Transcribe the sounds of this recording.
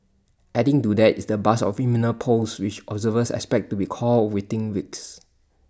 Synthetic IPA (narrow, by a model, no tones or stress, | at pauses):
ʔɛdĩŋtudɛtisdəbasɔ̰fiminəpʰoswit͡ʃʔɔbzəvəsɛ̰kspɛk̚tːubikʰɔlwitɪ̃ŋwits